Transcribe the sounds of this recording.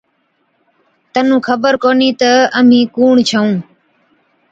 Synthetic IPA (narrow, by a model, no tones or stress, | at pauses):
t̪ənũːkʰəbəɾkoːniːt̪əəm̤ĩːkuːɳt͡ʃʰəũː